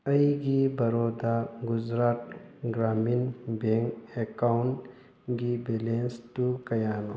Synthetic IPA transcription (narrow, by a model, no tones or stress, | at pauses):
ɐiɡibɐɾoːd̪aɡʊzɾaːt̪̚ɡɾaːminbẽŋɡekaʊn | ɡibeːlenst̪ukɐjaːno